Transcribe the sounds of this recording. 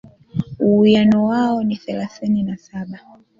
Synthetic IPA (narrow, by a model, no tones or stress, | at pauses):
uujanɔwaɔniθɛlaθininasaɓa